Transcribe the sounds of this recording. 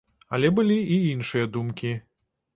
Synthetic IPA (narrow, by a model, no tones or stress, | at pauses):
ɐ̰lʲɛbɨlʲiiinʂɨjɐd̪umkʲi